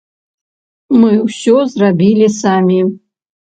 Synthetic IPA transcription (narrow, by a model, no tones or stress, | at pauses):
mɨwsʲozrabʲilʲisamʲi